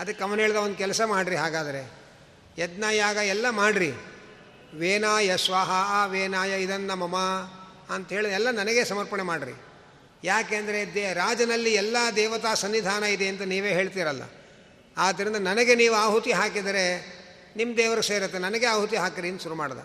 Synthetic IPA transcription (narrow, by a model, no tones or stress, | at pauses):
ɐd̪ɐkːɐʋɐnɦeːɭd̪ɐond̪ukɛlɐsɐmaːɽɾiɦaːɡaːd̪ɐɾe | ɛd̪naːjaːɡɐɛlːɐmaːɽɾi | ʋeːnaːjɐsʋaːɦɐʋeːnaːjɐid̪ɐnːɐmɐmɐ | ɐnt̪ɐɦeːɭiɛlːɐnɐnɐɡe̞sɐmɐɾpɐɳemaːɖɾḭ | jaːkeːɐnd̪ɐɾe̞d̪ɾaːd͡ʒɐnɐlːiɛlːɐd̪ɛːʋɐt̪aːsɐnːid̪ʱaːnɐid̪e̞ɐnt̪ɐniːʋe̞ːɦeːɭt̪̬iːɾɐlːɐ̰ | aːd̪ːɐɾind̪ɐnɐnɐɡe̞niːʋuaːɦut̪iɦaːkid̪ɐɾe̞ | nimːd̪ɛːʋɐɾɡseːɾɐt̪ːenɐnɐɡeaːɦut̪iɦaːkɾiɐnd̪ɐʃuɾumaːɽɐd̪ɐ̰